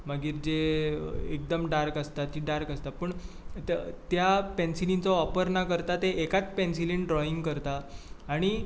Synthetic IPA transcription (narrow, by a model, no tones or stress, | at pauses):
məɡiːɾd͡ʑe | ḛk̚d̪əmɖaɾkəst̪at̪ːiɖaɾkəst̪apəɳ | t̪japɛnsilint͡sɔɔpəɾnakəɾt̪at̪eʔekat͡spɛnsilinɖɾɔiŋɡkəɾt̪aːɽ̃i